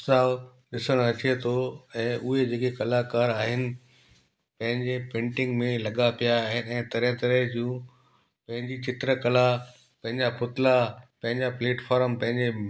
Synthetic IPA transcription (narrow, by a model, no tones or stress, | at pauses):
saːʋ | ɗɪsəɽ̃ɐt͡ɕet̪ʰoɛ̃ːʔʊɦed͡ʑeːkekɐlakaːɾaːɦɪnɪ̆ | pɐ̃ɦɪ̃ɲd͡ʑepẽːɳʈɪ̃ŋɡmẽlɐɠapijaːɦɪnɪ̆ɛ̃ːt̪ɐɾə̃t̪ɐɾəɦd͡ʑũː | pɐ̃ɦɪ̃ɲd͡ʑit͡ɕɪt̪ɾəkɐla | pɐ̃ɦɪ̃ɲd͡ʑapʊt̪lapɐ̃ɦɪ̃ɲd͡ʑapleːʈfaːɾəmpɐ̃ɦɪ̃ɲd͡ʑe